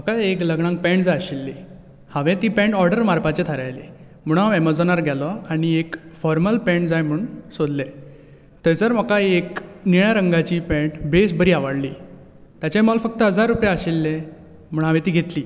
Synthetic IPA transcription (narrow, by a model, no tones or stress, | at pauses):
m̤əkaekləɡɽ̃ãŋk̚pɛ̃ɳʈd͡zajəɕelːe | haʋẽt̪iːpɛ̃ɳʈɔɾɖəɾmaɾpat͡ɕet̪ʰəɾajlḛ | m̤uɽ̃ãʋɛməd͡zənəɾɡʱɛlɔaɽ̃iekfɔɾməlpɛ̃ɳʈd͡zajm̤əɳsod̪lẽ | t̪əjt͡səɾm̤əkaekniɭjaɾəŋɡat͡ɕiːpɛ̃ɳʈbes̬bəɾiːaʋəɽliː | t̪jat͡ɕajmɔlfək̚t̪əɦəd͡zaɾːupjaəɕelːẽ | m̤əɳ̃ɦaʋẽt̪iːɡʱet̪liː